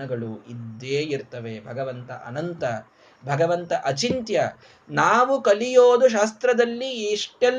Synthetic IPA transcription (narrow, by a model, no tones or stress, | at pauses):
ɐɡɐɭuid̪ːeːiɾt̪ɐʋebʱɐɡɐʋɐnt̪ɐ̰ʔɐ̰nɐnt̪ɐ | bʱɐɡɐʋɐnt̪ɐʔɐt͡ʃint̪jɐ | naːʋukɐlijoːd̪uʃ̬aːs̬t̪ɾɐd̪ɐlːiiʂʈɛl